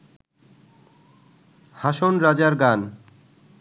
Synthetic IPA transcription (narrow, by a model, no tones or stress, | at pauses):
haʃonɾad͡ʑaɾɡan